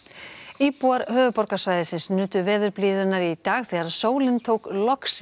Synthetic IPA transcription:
iːpuaɾhœːvʏpɔɾkasvaːjðɪsɪnsnʏːt̪ʏvɛːðʏɾpliːðʏnaɾit̪aːɣθiːɣaɾsoːwlɪnt̪ʰoːwklɔks

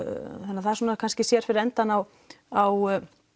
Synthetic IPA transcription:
θɛnːaθaðɛɾsuːnakʰanscɪsjɛɾ̥fɪɾɪɾɛnt̪anaw | aw

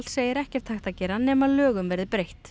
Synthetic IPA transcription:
lseːjɪɾɛhcɛɾ̥t̪ʰːaxt̪acɛːɾanɛːmaðlœːɣʏmvɛɾðɪpɾejht̪

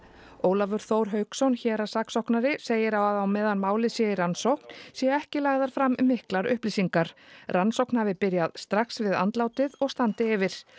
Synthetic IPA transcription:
oːwlavʏɾ̥θoːwɾ̥ɦœɥksɔnçɛːɾasaksɔhknaɾɪseːjɪɾawaðawmɛːðanmaːwlɪsjɛɪransowkn̥sjɛɛhcɪlaɣðaɾ̥fɾamːɪhklaɾʏ̰hplisiŋkaɾ̥ransowknhavɪpɪɾjaðst̪ɾaksvɪða̰nt̪laːwt̪ɪðɔɣst̪ant̪ɪɛvɪɾ̥

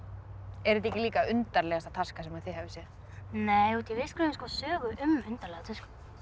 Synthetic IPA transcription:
ɛɾɪt̪̬ɛhcɪliːkaʏnt̪aɾlɛɣast̪ḁt̪ʰarskasɛmaðθɪhavɪsjɛ | neːjut̪ʰivɪskɾʏmɪskvɔsœːɣʏʔʏmʏnt̪aɾlɛɣat̪ʰask

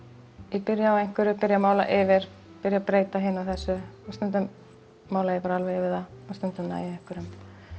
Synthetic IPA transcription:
ipɪɾjaawejŋ̥kvʏɾʏpɪɾjamaːwla̰ʔɪvɪɾ̥ | pɪɾjapɾeːjt̪aɦɪːnawθɛsːʏast̪œnt̪ʏm | maːwlajɛpaːɾaalvejɪvɪðaast̪œnt̪ʏmna̰ːjɪɛŋ̥kʏɾʏm

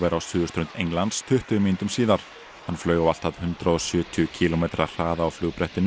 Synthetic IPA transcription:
vɛɾawsʏːɣʏst̪ʰɾʏnt̪ejŋlant̪st̪ʰʏht̪ʏmint̪ʏmsiːðaɾ̥ | hanflœːɥɣawvalt̪aðhʏnt̪ɾaɔsjʏːt̪ʰʏcʰilɔmejt̪ɾar̥aːðaːwflʏːɣpɾɛht̪ɪn

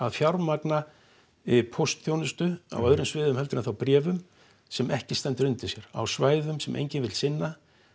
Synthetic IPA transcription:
aðfjawɾmakna | ɪpʰowst̪θjownɪst̪ʏa̰wœðɾʏmsvɪːðʏmhɛlt̪ɪɾaθawpɾɛːvʏm | sɛmɛhcɪst̪ɛnt̪ʏɾʏnt̪ɪsjɛɾ̥a̰wsvaːjðʏmsɛmʔḛjɲcɪnvɪlsɪnːa

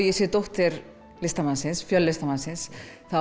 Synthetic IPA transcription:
jɪsɪt̪oht̪ɪɾ | lɪst̪amansɪnsfjœlːɪst̪amansɪnsθa

